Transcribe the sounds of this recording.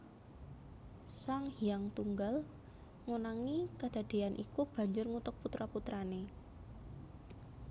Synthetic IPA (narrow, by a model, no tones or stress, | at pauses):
saŋhijaŋt̪uŋɡal | ŋunaŋikəd̪̥a̤d̪̥e̤anʔḭkub̥a̤ɲd͡ʒʊrŋut̪ʊk̚put̪ɾaput̪ɾane